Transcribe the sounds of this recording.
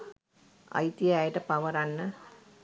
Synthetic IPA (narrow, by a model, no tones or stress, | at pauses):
a̰jt̪ijajəʈəpaʋəɾanːə